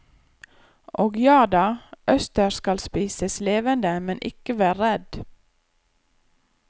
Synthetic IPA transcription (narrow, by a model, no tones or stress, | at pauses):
ʔoːɡjɑːdɑːʔœst̪əɾskɑlspiːsəsleːʋənd̪əmɛnʔɪ̰kəʋæːɾɾɛd̪